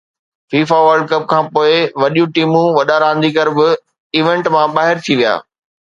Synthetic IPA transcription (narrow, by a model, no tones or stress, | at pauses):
fiːfaʋəɾɖ̚kɐp̚kʰãːpoːɪʋɐɗijũʈiːmũʋɐɗaɾãːn̆d̪ikəɾbɪ | iːʋẽɳʈmãɓaːɦɪɾt̪ʰiʋija̰ː